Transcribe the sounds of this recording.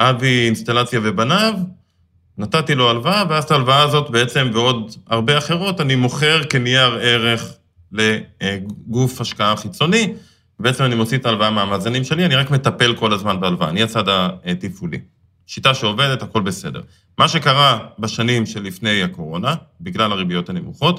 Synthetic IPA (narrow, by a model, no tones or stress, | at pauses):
ʔaviinst̪alat͡sjave̞banav | nat̪atilo̞alvaaveaztaːlvaaːzo̞tbeet͡se̞mveo̞daʁbe̞aχe̞ʁo̞tanimo̞χeʁkenijaʁe̞ʁe̞χ | le̞ | ɡufhaʃkaaχit͡so̞ni | vebeet͡se̞manimo̞t͡siet̪aːlvaameamaːzanimʃe̞lianiʁakme̞tape̞lko̞lazmanbealva̰ːniat͡sadatifulḭ | ʃitaʃeove̞dethako̞lbe̞se̞de̞̰ʁ | maʃe̞kaʁabaʃanimʃe̞lːifne̞jako̞ʁo̞nabiɡlalaʁibijo̞thanemuχo̞t